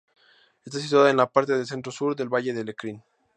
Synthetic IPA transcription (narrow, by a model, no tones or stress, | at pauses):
e̞st̪as̬it̪̬waðaenlapaɾt̪e̞ðelse̞nt̪ɾosuɾðe̞lβaʝe̞ðe̞lekɾin